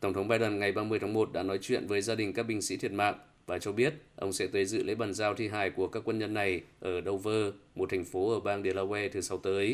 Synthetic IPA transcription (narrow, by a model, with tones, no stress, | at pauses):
t̪ə˧˩wŋ͡mt̪ə˨˦ŋ͡mɓaː˧jɗə˨˧˩nŋa˨˩jɓaː˧mɨ˧əjt̪ʰːmo˨˩t̚ɗa̰ː˧˥nɔ˨˦jt͡ɕwḭ˧˨ənvəː˨˦jzaː˧ɗï˨˩ŋ̟kaː˦˥k̚ɓï˧ŋ̟sḭ˧˥t̪ʰi˨˩ət̚ma̰ː˧˨m | vaː˨˩t͡ɕɔ˧ɓi˦˥ət̚ʔə˧wŋ͡msɛ̰˧˥t̪əː˨˦jzɨ̰˧˨lʔḛ˧˥ɓaː˨˩nzaː˧wt̪ʰi˧ɦaː˧˩jku˧˩əkaː˦˥kwə˧nɲə˧nːa˨˩jʔəː˧˩ɗə˧wvəː˧mo˨˩t̪ʰɛ˨˩ŋ̟fo˨˦ʔəː˧˩ɓaː˧ŋɗe˨˩laː˧wɛ˧t̪ʰɨ˨˩sa˨˦wt̪əː˨˦j